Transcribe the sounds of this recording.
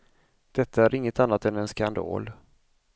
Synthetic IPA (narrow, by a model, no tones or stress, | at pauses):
d̪̥ɛt̪ːaæɾɪŋːət̪anːat̪ɛnɛnskand̪ɑ̰ːl